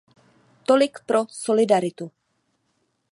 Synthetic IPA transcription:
t̪olɪkpɾosolɪdaɾɪt̪u

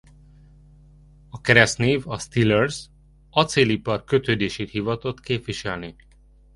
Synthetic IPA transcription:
ɒkɛɾɛst̪neːvɒst̪ilɛrz | ɒt̪seːlipɒrkø̞t̪øːd̪eːʃeːt̪hivɒt̪ot̪keːpʋiʃɛlni

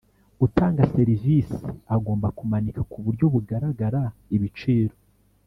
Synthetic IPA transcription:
utaːŋɡase̞ɾivisiaɡo̞ːmbakumanikʰḁkuβuɾɟoβuɡaɾaɡaɾaiβit͡ʃiɾo

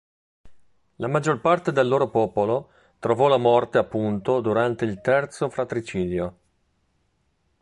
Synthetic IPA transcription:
lamad͡ʒːorpart̪ed̪elːoːɾopɔːpolo | t̪ɾovɔlamɔrt̪eapːunt̪od̪uɾant̪eilt̪ɛrt̪sofɾat̪ɾit͡ʃiːd̪jo

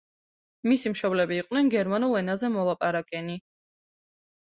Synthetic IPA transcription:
misimʃɔblɛbiːqʼwnɛnɡɛɾmanulˠɛnazɛmɔlˠapʼaɾakʼɛni

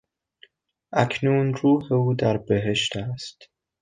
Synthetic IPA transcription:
ʔæcʰnuːnɾuːheuːd̪æɾbeɦeʃt̪æst̪

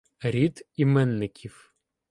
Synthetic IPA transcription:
ɾʲid̪imɛnːɪkʲʰiw

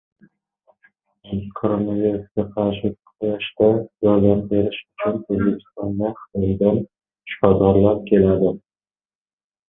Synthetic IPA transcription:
kʰoɾonaviɾusɡʲaqʰɑɾʃɪkʲqʰojaʃt̪ad͡ʒɒjd̪aɾbe̞ɾɪʃʊt͡ʃʰʊnɵzbekʲʰɪ̥st̪ɒnd̪aχɨ̥t̪ɒjd̪an | ʃɒd̪ɒɾlap̚kʲʰe̞lad̪ɪ

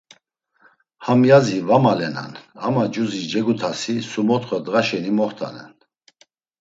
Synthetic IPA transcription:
hamjazivamalɛna̰na̰mad͡ʒuzid͡ʒɛɡut̪ʰasisumɔt̪χɔd̪ʁaʃɛnimɔχt̪ʰa̰nɛ̰n

